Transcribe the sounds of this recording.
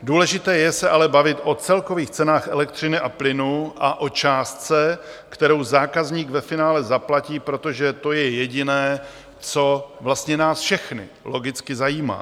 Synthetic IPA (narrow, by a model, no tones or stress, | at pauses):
duːlɛʒɪt̪ɛːjɛsɛʔalɛbavɪt̪ʔo̞t͡sɛlko̞viːxt͡sɛnaːxɛlɛkt̪r̝̥ɪnɪʔaplɪnuʔaʔo̞t͡ʃaːst̪̚t͡sɛkt̪ɛɾo̞wzaːkazɲiːɡvɛfɪnaːlɛzaplaciːpɾo̞t̪o̞ʒɛt̪o̞jɛjɛɟɪnɛː | t͡so̞vlast̪ɲɛnaːsfʃɛxnɪ̰lo̞ɡɪt͡skɪzajiːma̰ː